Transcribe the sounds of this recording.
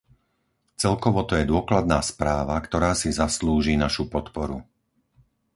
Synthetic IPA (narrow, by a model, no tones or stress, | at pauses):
t͡sɛlkɔʋɔt̪ɔjɛd̪ʊɔklad̪̚naːspɾaːʋakt̪ɔɾaːsizasluːʒiːnaʃupɔt̪pɔɾṵ